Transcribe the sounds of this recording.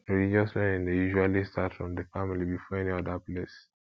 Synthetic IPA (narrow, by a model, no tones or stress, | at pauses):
ɹilid͡ʒɔsmɛ̃nĩndejuʒualistʰatɹɔ̃mdəfamilibifɔɛniɔdaples